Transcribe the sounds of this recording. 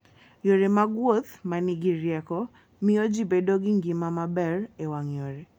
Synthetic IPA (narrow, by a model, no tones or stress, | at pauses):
joɾemaɡwot̪maniɡiɾjɛkɔ | miod͡ʒibedoɡiŋɡimamabɛrewaŋjoɾe